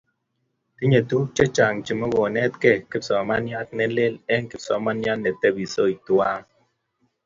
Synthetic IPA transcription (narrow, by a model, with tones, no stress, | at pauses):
ti˦ɲe˨tu˦k̚t͡ʃɛ˦t͡ʃa˨ŋt͡ʃi˨mɔ˦ɡɔ˨nɛ˦t̚kɛ˦˨ki˦psɔ˨ma˦nja˦t̚nɛ˦le˦lɛ˦ŋki˨psɔ̰˨˦ma˦nja˦nnːɛ˨tɛ˦bi˨so˦i˨twa˦ŋ